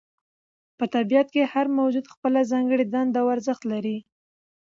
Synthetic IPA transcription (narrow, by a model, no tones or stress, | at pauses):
pət̪abijat̪̚kehaɾmawd͡ʒud̪xpəlazɑŋɡəɽid̪and̪awaɾzəxt̪laɾi